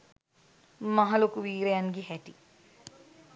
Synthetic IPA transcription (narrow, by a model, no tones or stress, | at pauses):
mɐɦɐlokuʋiːɾejanɡiɦɛʈi